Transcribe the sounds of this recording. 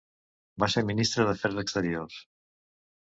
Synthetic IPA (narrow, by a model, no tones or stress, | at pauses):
baseminist̪ɾəðəfɛɾðəkst̪əɾios